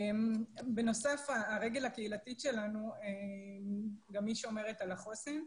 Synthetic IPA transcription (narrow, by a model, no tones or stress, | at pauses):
mbeno̞safaːʁeɡe̞lhakeilat̪iʃe̞lanuemɡamːiʃeo̞me̞ʁet̪alaχo̞sen